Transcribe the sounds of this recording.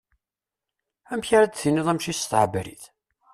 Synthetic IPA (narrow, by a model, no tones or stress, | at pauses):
æmçaɾad̪θinɪðˤæmʃisθʕbɾḭθ